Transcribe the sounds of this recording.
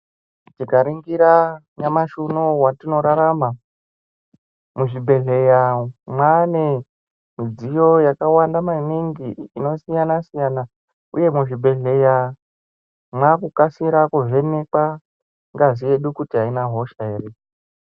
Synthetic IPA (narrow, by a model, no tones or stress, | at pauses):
t͡ʃikaɾiŋɡiɾa | ɲamaʃunowatino̞ɾaɾama | muʐibʱe̞ɮe̞jamwane | mid͡zijo̞jakawandamaniŋɡiːno̞sijanasijana | ṵje̞muʐibʱe̞ɮe̞ja | mwakukasiɾakuve̞ne̞kwa | ŋɡazijeɗukutiɦainaɦo̞ʃaere